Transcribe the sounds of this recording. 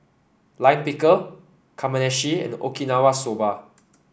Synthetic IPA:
lãj̃npikə | kʰamənɛʃiɛ̰̃no̰kinawasoba

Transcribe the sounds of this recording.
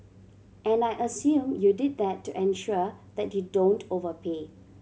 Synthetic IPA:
ʔɛ̃najʔəsjũmjudid̪̚dɛtːuʔɛ̃nʃudɛt̚judõntʰovəpʰe

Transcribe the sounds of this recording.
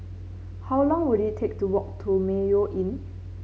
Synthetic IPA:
hawlɔ̃ŋwuditʰek̚tuwɔk̚tʰumejoʔĩn

